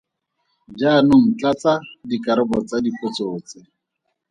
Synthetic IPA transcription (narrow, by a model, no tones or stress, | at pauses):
d͡ʒaːnʊŋ̩t͡ɬat͡sadikʼaɾɪbɔt͡sadipʼot͡soːt͡sɪ